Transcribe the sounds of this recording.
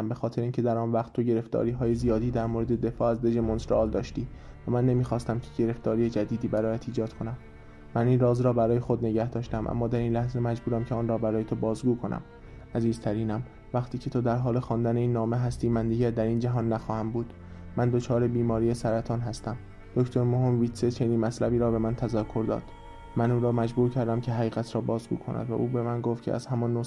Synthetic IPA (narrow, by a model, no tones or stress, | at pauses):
mbexɒːt̪ʰe̞ɾeinŋcʲʰe̞d̪æɾɒːnvæχt̪ːʰo̞ɟe̞ɾe̞ft̪ɒ̰ːɾiːɦɒːje̞zijɒːd̪iːd̪æɾmoːɾe̞d̪e̞d̪e̞fɒːæzd̪e̞d͡ʒemonsɾɒːld̪ɒːʃt̪iː | væmænːe̞miːxɒːst̪æmcʰeɟe̞ɾe̞ft̪ɒːɾiːjed͡ʒæd̪iːd̪iːbæɾɒːjæt̪ʰiːd͡ʒɒːd̪kʰo̞næmː | æniːnrɒːzɾɒːbæɾɒːje̞xo̞d̪ne̞ɟæhd̪ɒːʃt̪æmʔæ̰mːɒːd̪æɾinlæhze̞mæd͡ʒbuːɾæmcʰeɒːnrɒːbæɾɒːjet̪ʰobɒːzɡuːkʰo̞nʔæ̰m | ʔæziːzt̪ʰæɾiːnæm | væχt̪ʰiːcʰe̞t̪ʰod̪æɾɦɒːlexɒːnd̪æneiːnːɒːme̞ɦæst̪iːmænd̪iːɟæɾd̪æɾiːnd͡ʒæɦɒːnːæxɒːhæmbuːd̪̥ | mænd̪o̞t͡ʃʰɒːɾebiːmɒːɾiːjesæɾæt̪ʰɒːnɦæst̪æm | d̪̥okt̪ʰoɾmohimviːt̪set͡ʃʰeniːnmæt̪ʰlæbiːɾɒːbe̞mænt̪ʰæzækʰːo̞ɾd̪ɒ̰ːd̪̥ | mænuːɾɒːmæd͡ʒbuːɾcʰæɾd̪æmcʰe̞ɦæʁiːɣæt̪ʰɾɒːbɒːzɡṵːkʰonʔæ̰d̪væ̰ʔuːbe̞mænɡoft̪̚cʰeʔæ̰z̥hæmɒnːo